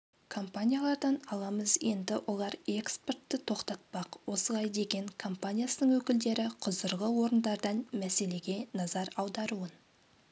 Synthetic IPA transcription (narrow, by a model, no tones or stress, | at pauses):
kʰo̞mpanʲijalˠɑɾd̪ɑnɑlˠɑməzje̞nd̪ɪwʔo̞lˠɑɾe̞kspe̞rt̪ːɪt̪ʰo̞qt̪ɑt̪̚pɑqwo̞səlˠɑjd̪e̞ɡʲe̞ŋkʰo̞mpanʲijasənəɴwɵkʲɪld̪e̞ɾɪqʰʊzəɾʁəwo̞ɾənd̪ɑɾd̪ɑnmæse̞le̞ɡʲe̞nɑzɑɾɑwd̪ɑɾuən